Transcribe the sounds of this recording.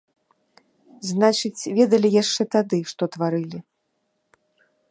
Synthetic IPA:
znat͡ʂɨt͡sʲvʲɛd̪ɐlʲijaʂt͡ʂɛt̪ad̪ɨʂt̪ɔt̪vaɾɨlʲi

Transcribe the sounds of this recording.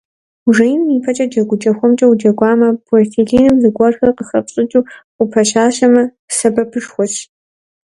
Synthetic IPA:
ʐɐjnmiːpʰɐt͡ʃʼɐd͡ʒɐɡʷʊd͡ʒʼɐxʷɔmt͡ʃʼɐwd͡ʒɐɡʷaːmɐb̥ɔrtʰiɮiːnɨmzɨɡʷɐrxɐrqəxɐpɕʼɪt͡ʃʼuːqʷʊpʰɐɕaːɕɐmɐ | sɐbɐpʰɨʂxʷɔɕ

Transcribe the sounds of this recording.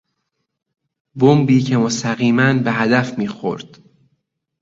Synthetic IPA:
bombiːcʰe̞most̪æɣiːmænbeɦæd̪æfmiːxo̰ɾd̪̥

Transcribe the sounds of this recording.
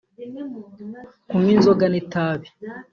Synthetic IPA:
kuminzoɡanitaːβi

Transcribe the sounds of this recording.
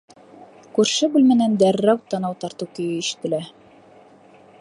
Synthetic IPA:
kʉɾʃɘbʉlmɘ̆nænd̪ærːæwt̪ːɑnɑwt̪ɑɾt̪ɤwkɵ̆jɘiʃɘ̥̆t̪ɘ̆læ

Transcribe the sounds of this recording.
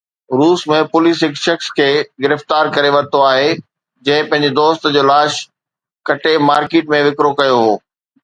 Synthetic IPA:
ɾuːsmẽpʊlisɦɪkʃɐxskʰeːɡɪɾəft̪aːɾkɐɾeʋɐɾt̪oaːɦe | d͡ʑɐ̃ɦɪ̃pɐ̃ɦɪ̃ɲd͡ʑed̪oːst̪d͡ʑoːlaːʃ | kɐʈemaːɾkeːʈmẽʋɪkɾokɐjoɦoː

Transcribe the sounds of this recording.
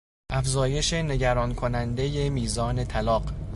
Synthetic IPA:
ʔæfzɒːje̞ʃe̞ne̞ɟæɾɒːnkʰo̞nænd̪e̞je̞miːzɒːne̞t̪ʰælɒːɢ

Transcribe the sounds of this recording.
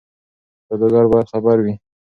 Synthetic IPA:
pəd̪əɡaɾbɑjad̪xabaɾwi

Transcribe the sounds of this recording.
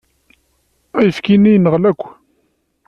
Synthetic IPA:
æjəfkinːijnəʁlækʷː

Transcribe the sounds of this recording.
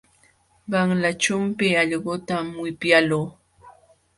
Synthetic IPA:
ɢɑŋlat͡ʃʊmpɪɑʎɢot̪amwɪpjaloː

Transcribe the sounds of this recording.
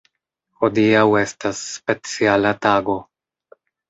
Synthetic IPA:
ho̞diawe̞stasːpe̞t͡sialataɡo̞

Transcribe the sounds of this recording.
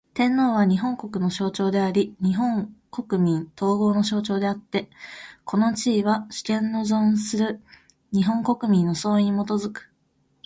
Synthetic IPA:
t̪ẽ̞nːo̞ːβaɲ̟iɦõ̞ŋko̞kɯ̟no̞ɕo̞ːt͡ɕo̞ːd̪e̞aɾʲiɲ̟iɦõ̞ŋko̞kɯ̟mʲĩnt̪ʰo̞ːɡo̞ːno̞ɕo̞ːt͡ɕo̞ːd̪e̞at̪ːe̞kʰo̞no̞t͡ɕiːβaɕi̥kẽ̞nːozõñsɨɾɯ̟ | ɲ̟iɦõ̞ŋko̞kɯ̟mʲĩnːo̞so̞ːĩɲ̟mo̞t̪o̞zɨkɯ̥

